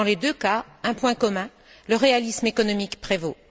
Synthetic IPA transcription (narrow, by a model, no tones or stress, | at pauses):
ɑ̃led̪øka | ɛ̃pwɛ̃kɔmɛ̃ | ləʁealismekɔnɔmikpχevo